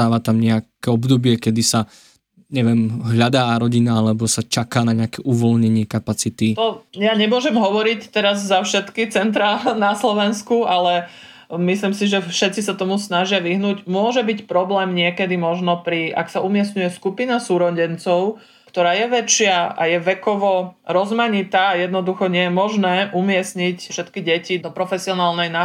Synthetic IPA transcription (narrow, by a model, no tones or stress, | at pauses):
aːʋat̪amɲɛakkɛɔbd̪ɔbɪɛkɛd̪isa | ɲɛʋɛmɦʎad̪aːaɾɔɟinaalɛbɔsat͡ʃakaːnaɲɛakɛʔuʋɔlɲɛɲɪɛkapat͡sit̪it̪ɔjaɲɛmʊɔʒɛmɦɔʋɔɾict̪ɛɾazzafʃɛt̪kit͡sɛnt̪̬ɾanaslɔʋɛnskualɛ | mislimsiʒɛfʃɛt̪t͡sisat̪ɔmusnaʒɪaʋiɦnuːɟmʊɔʒɛbicpɾɔblɛːmɲɪɛkɛd̪imɔʒnɔpɾiʔa̰ksaumɪɛsɲujɛskupinasuːɾɔɟɛnt͡sɔʊ | kt̪ɔɾaːjɛʋɛt͡ʃɪaa̰jɛʋɛkɔʋɔɾɔzmaɲit̪aːjɛd̪nɔd̪uxɔɲɪɛjɛmɔʒnɛːʔumɪɛsɲicfʃɛt̪kiɟɛcid̪ɔpɾɔfɛsiɔnaːlnɛjna